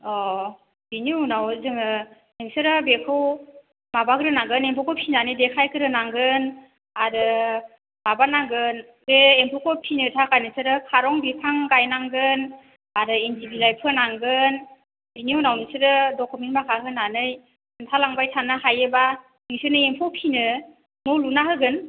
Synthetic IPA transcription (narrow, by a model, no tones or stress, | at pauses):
ɔ | b̥iniunawzɯŋɯ | nɯŋsɯɾɯbekʰɯw | mabakɯɾɯnaŋɡɯnempʰɔkʰɯwpʰinanɯjdekʰajkʰɯɾɯnaŋɡɯn | aɾɯ | b̥abanaŋɡɯn | beːmpʰɔkʰɔpʰinɯtʰakʰajnɯsɯɾɯkʰaɾɔŋbipʰaŋɡajnaŋɡɯn | aɾɯendibilajpʰɯnaŋɡɯn | biniownawnɯsɯɾɯdɔkʰumentmakʰaɦɯnanɯj | ɯntʰalaŋbajtʰanɯhajɯba | niŋsɯnɯempʰɔwpʰinɯ | nɔlunaɦɯɡɯn